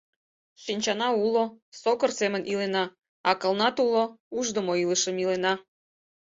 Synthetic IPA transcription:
ʃinʲt͡ɕɑnɑulosokərsemənʔilenɑ | ɑkəlˠnɑt̪ulouʒd̪əmoiləʃə̆milenɑ

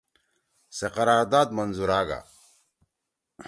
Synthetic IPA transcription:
seqɐɾaːɾd̪aːd̪mɐnzuɾaːɡa̰

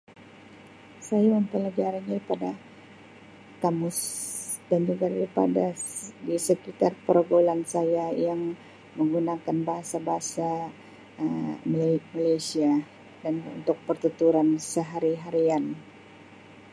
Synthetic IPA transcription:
sajaməmpəlad͡ʒaɾanɲaɾipada | kamʊsdand͡ʒuɡadaɾipa̰dadisəkit̪arpəɾoɡolansajajaŋ | məŋɡunakanbaɦasabaɦasa | əmamalajsia | danṵnt̪ʊk̚pərt̪ət̪uɾansəɦaɾiɦaɾian

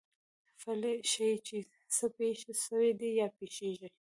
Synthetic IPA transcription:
faleʃait͡ʃe | səpeʃeʃəwed̪ijɑpeʃeʒi

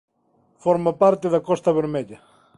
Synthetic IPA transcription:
fɔɾmapaɾt̪ɪðakɔst̪aβɛɾmɛʎa

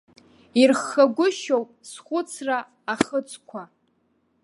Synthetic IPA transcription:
irχːaɡʷʊʃowpʼsχʷʊt͡sʰraː | χət͡sʰʼkʷʰa

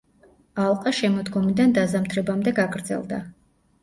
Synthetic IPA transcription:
alˠqʼaʃɛmɔd̪ɡɔmid̪and̪azamt̪ʰɾɛbamd̪ɛɡaɡɾd̪zɛ̰lˠd̪a̰

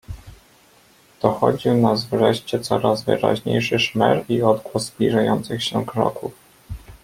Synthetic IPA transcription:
d̪̥ɔxɔd͡ʑiwnazvʐɛɕt͡ɕɛt̪sɔɾazvɘ̰ɾa̰ʑɲejʂɘʂmɛɾiɔd̪ɡwɔzːblʲiʐajɔnt̪sɘxɕɛkɾɔ̰kuf

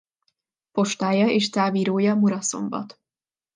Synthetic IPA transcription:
po̞ʃt̪aːjɒeːʃt̪aːviːɾoːjɒmuɾɒso̞̰mbɒ̰t̪

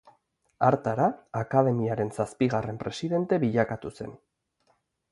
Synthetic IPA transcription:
aɾt̪aɾaːkað̞e̞miaɾe̞nsaspiɣare̞mpɾe̞siðe̞nt̪e̞βiʎakat̪use̞̰n

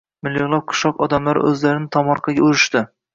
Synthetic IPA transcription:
mɪlːjɒʁlˠap̚qʰʊ̥ʃɒqɒd̪amlaɾ̰ʔɵ̰zlaɾɪnɪt̪ʰɒmɒɾqʰɑɡʲaʊɾɪʃt̪ɪ

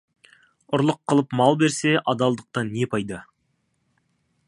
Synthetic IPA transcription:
ʊɾlˠəqʰːəlˠəpmɑlˠbe̞ɾse̞ʔɑd̪ɑlˠd̪əq̚t̪ɑnːe̞pʰɑjd̪ɑ

